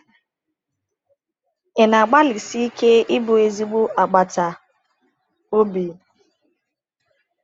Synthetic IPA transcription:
ɪ˨na˨a˨ɡ͡ba˦lɪ˨si˦i˦kʰe˦ɪ˦bʊ˨e˨zi˦ɡ͡bʊ˦ʔa˨ɡ͡ba˨ta˨ | o˦bi˨˦

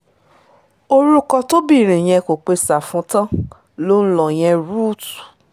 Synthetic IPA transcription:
o˧ɾu˦kɔ˧to˦bi˦˨ɾ̃ĩ˨j̃ɛ̃˧ko˨k͡pe˧sa˨fũ˨˦tã˦ | lo˦n̩˦lɔ˦˨j̃ɛ̃˧ɾu˦˨t

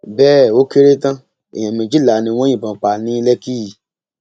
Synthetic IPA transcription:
bɛː˦˨o˦ke˦ɾe˦tã˦ | ḛ˨j̃ã˨mĩ˨d͡ʒi˦la˨nĩ˧w̃ɔ̃˦jĩ˦˨bã˨k͡pa˧˨nĩ˨˦lɛ˦ki˦i˨

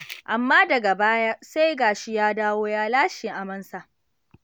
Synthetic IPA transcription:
ʔa˨mːaː˦dɐ˨ɡa˨baː˦ja˦sa˦jɡaː˨ʃi˦jaː˦daː˦woː˦jaː˦laː˦ʃɪ˨ŋʔa˨mɐ˦nsa˨ʔ

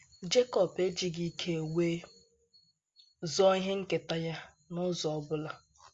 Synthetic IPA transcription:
d͡ʒe˦kɔ˨pe˦d͡ʒi˨ɡi˦kʰe˦˨we˦ | zɔ˦i˦ɦɪ˦ŋ̩˦ke˨ta˦ja˦ | nʊ˦zɔ˨ɔ˨bʊ˦la˨

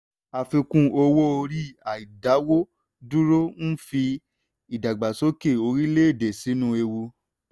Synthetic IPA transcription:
a˨fĩ˧kũ˧o˧wo˦o˧ɾi˦a˨i˨da˨˦wo˦ | du˦ɾo˦n̩˦fi˧ | i˨da˨ɡ͡ba˨so˨˦ke˦˨o˧ɾi˦le˦e˦˨de˨si˨˦nũ˦e˧wu˧

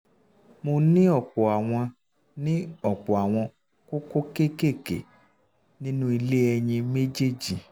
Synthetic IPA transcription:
mo˧nĩ˦ɔ˦˨k͡pɔ˨a˨w̃ɔ̃˧ | nĩ˦ɔ˦˨k͡pɔ˨a˨w̃ɔ̃˧ | ko˦ko˦ke˦ke˦˨kḛ˨ | nĩ˦nũ˦i˧le˦ɛ˧ɲ̃ĩ˧me˦d͡ʒe˦d͡ʒi˨

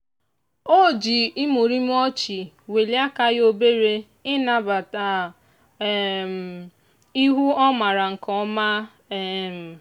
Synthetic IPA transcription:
o˦˨d͡ʒi˨i˦mu˨ɾi˦m̩˦ɔ˦t͡ʃi˨ | we˨li˦a˦ka˦jo˦be˦ɾe˦ | ɪ˦na˨ba˨ta˨˦˨ | m˨ | i˦ɦu˦ɔ˦ma˨ɾa˨ŋ̩˨kɔ˦ma˦ | e˦˨m̩˨

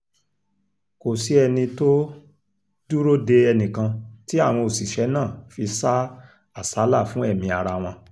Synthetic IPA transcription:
ko˨si˨˦ɛ˧nĩ˧to˦ | du˦ɾo˦de˧ɛ˧nĩ˨kã˧ti˦a˦˨w̃ɔ̃˧o˨si˨ʃɛ˨˦nãː˦˨fi˧sa˦ | a˦˨sa˨˦la˦˨fũ˨˦ɛ˦˨mĩ˧a˨ɾa˧w̃ɔ̃˧

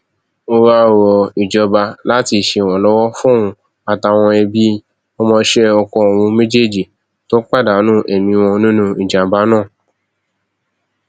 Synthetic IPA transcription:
o˧ɾa˦˨wɔ˨i˨d͡ʒɔ˧ba˧la˦ti˧˨ʃe˧˨w̃ɔ̃˨lɔ˦wɔ˦fũ˦ũ˧ | a˨ta˧˨w̃ɔ̃˧ɛ˧bi˦ | o˧mɔ̃˧ʃɛ˦ɔ˧kɔ̃˧o˨wũ˧mẽ˦d͡ʒe˦˨d͡ʒi˨ | to˦k͡pa˦˨da˨˦nũ˦ʔe˨mĩ˧w̃ɔ̃˧nũ˦nũ˦i˨d͡ʒa˨ba˨˦nãː˦˨

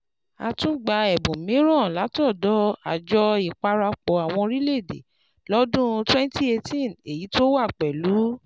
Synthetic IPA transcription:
a̰˧tũ˦ɡ͡ba˧ɛ˨bũ˨mĩ˨˦ɾ̃ã˦˨la˨˦tɔ˦˨dɔ˨˦a̰˨d͡ʒɔ˧i˨k͡pa˧ɾa˧k͡pɔ˨a˨w̃ɔ̃˧ɾi˦le˦˨dḛ˨ | lɔ˦dũ˦twɛ̃˦n˦ti˦e˧tĩ˦˨ne˨ji˨˦to˦wa˦˨k͡pɛ˨lu˨˦

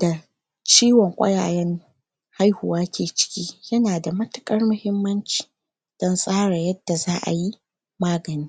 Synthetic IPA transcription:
da˨ | t͡ʃiː˦wɔ˨ŋkʷʼɐ̰˦jaː˨jɛ˦ŋ | ha˦jhʊ˨waː˦kʲʰeː˨t͡ʃɪ̥˦kʲiː˦jɐ˦naː˨da˨mɐ˦tʊ˦kʼɐ˦rmʊ˨hɪ˦mːɐ˦nt͡ʃi̥ː˨ | d̥ɔ˦nsʼaː˦ɽa˨jɐ˦d̥ːa˨zaː˦ʔa̰˨ji˦ | maː˦ɡɐ˨niː˦

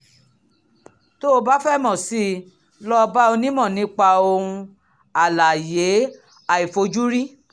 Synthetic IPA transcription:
to˦o˧ba˦fɛ˦˨mɔ̃˨si˦ | lɔ˦˧ba˦o˧nĩ˦mɔ̃˦˨nĩ˦k͡pa˧o˧ũ˧ | a˨la˨je˨˦ | a˨i˨fo˧d͡ʒu˦ɾi˦

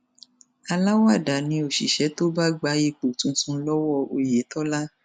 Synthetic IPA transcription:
a˧la˦wa˦˨da˨nĩ˧˦o˨ʃḭ˨ʃɛ˨˦to˦ba˦ɡ͡ba˨˦je˦˨k͡po˨tũ˨˦sũ˨˦lɔ˦wɔ˦˨o˧je˨˦tɔ˦la˦

